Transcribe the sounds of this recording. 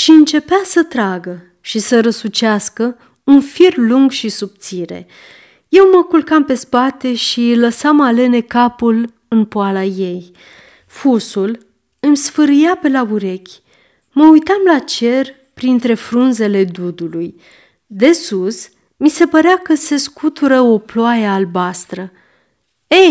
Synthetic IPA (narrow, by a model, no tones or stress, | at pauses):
ʃiɨnt͡ʃe̞peasət̪ɾaɡə | ʃisəɾəsut͡ʃaskə | unfirluŋɡʃisup̚t̪siɾe̞̰ | je̞wməkulkampe̞spat̪e̞ʃiləsamale̞ne̞kapul | ɨnpoalaje̞j | fusul | ɨmsfɨɾɨjape̞lauɾe̞kʲ | məujt̪amlat͡ʃe̞r | pɾint̪ɾe̞fɾunze̞le̞d̪ud̪uluj | d̪e̞sus | mise̞pəɾeakəse̞skut̪uɾəoploajeaːlbast̪ɾə | e